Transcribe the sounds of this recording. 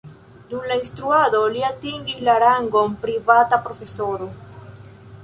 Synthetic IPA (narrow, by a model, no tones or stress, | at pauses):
d̪umlainst̪ɾuaðo̞liat̪iŋɡislaɾaŋɡompɾivatapɾo̞fe̞soɾo